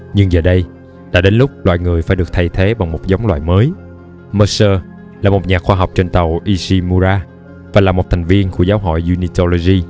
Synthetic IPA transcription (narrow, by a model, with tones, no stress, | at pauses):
ɲɨ˧ŋzəː˨˩ɗə˧j | ɗa̰ː˧˥ɗe˨˦nlʊ˦˥k͡p̚lwa̰ː˧˨jŋɨ˨˩əjfaː˧˩jɗɨ˨˩k̚t̪ʰa˧jt̪ʰe˨˦ɓa˨˩ŋmo˨˩t̚za˨˦wŋ͡mlwa̰ː˧˨jməː˨˦j | mə˧səː˧ | laː˨˩mo˨˩t̚ɲaː˨˩kxwaː˧ɦa˨˩wk͡p̚t͡ɕe˧nt̪ə˨˩wʔi˧si˧mu˧zaː˧ | vaː˨˩laː˨˩mo˨˩t̚t̪ʰɛ˨˩jŋ̟vi˧ənku˧˩əzaː˨˦wɦɔ̰˧˨jzu˧ni˧t̪o˧lo˧zi˧